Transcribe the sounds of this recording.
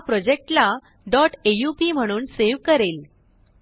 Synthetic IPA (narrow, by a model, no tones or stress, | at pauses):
pɾɔd͡ʑek̚ʈla | ɖɔʈejupim̤əɽ̃uːnseʋkəɾel